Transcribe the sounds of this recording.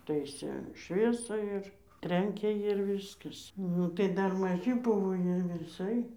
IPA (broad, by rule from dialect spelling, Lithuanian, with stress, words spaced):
ˈtɐɪsʲeː ˈʃʲʋʲiɛsɑː ɪr ˈtʲrʲɛŋʲkʲeː jɪr ˈʋʲiːskɐs ˈnʊ tɐɪ ˈdɐr mɐˈʒʲɪ ˈbʊʋoː ˈjiɛ ʋʲɪˈsɐɪ